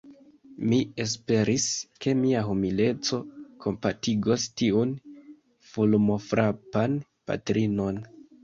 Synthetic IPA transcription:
mie̞s̬pe̞ɾʔiske̞miaɦumile̞t͡so̞kʰo̞mpatiɡostiun | fulmo̞fɾʔapan | pa̰tɾino̞n

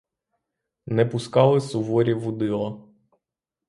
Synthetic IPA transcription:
nɛpʊskɑlˠɪsʊʋɔɾʲiʋʊd̪ɪlˠɐ

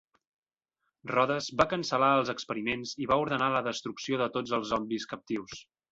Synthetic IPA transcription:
rɔðəzbakənsəlaəlˠzəkspəɾimenziβauɾðənaləðəst̪ɾuksioðət̪od͡zəlˠzɔmbliskəp̚t̪iws

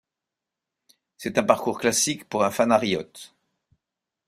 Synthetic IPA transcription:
sɛt̪ɛ̃paʁkuʁklasikpuʁɛ̃fanaʁijɔt̪

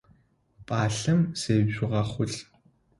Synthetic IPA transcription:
pʼaːɬɐmseːbɕʊʁɐχʷʊɮ

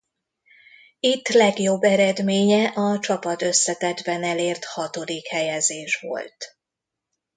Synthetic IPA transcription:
it̪ːlɛɡjo̞bːɛɾɛd̪meːɲɛʔɒt͡ʃɒpɒt̪ø̞sːɛt̪ɛd̪bɛnɛleːrt̪hɒt̪o̞d̪ikhɛjɛzeːʃʋo̞̰lt̪

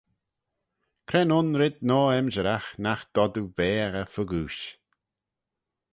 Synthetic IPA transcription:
kʰɾɛnʊnɾɪd̪̚nɔːɛmd͡ʒəɾaxnaxd̪̥ɔd̪uvɛːɣəfəɡuːʃ

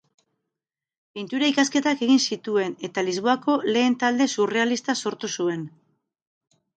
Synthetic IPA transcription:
pint̪uɾaikaske̞t̪ake̞ɣinsit̪ue̞ne̞t̪alizβ̞oako̞le̞ːnt̪ald̪e̞sure̞alist̪aso̞ɾt̪usue̞n

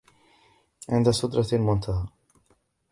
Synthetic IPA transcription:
ʕɪ̰nd̪asʊd̪ɾˤɑlmʊnt̪ʰaɦaː

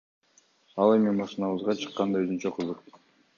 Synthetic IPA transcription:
ɑlˠe̞mimɑʃɯnɑβɯzʁɑt͡ʃʰɯ̥qːɑnd̪ɑøzynt͡ʃøqʰɯzɯq

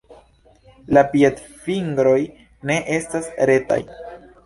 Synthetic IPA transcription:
lapietfiŋɡɾo̞j | ne̞ʔe̞stasɾe̞ta̰j

